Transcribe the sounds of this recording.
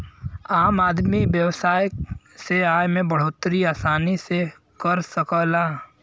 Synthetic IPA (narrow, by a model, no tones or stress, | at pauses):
aːmaːd̪miʋjəwsaːj | seaːjmẽbəɽ̤oːt̪ːɾiaːsaːnise | kəɾsəkəlaː